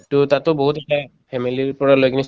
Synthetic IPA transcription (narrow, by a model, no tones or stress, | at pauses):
tʊtatʊboɦutɛta | pʰɛmiliɹpɔɹalojkinis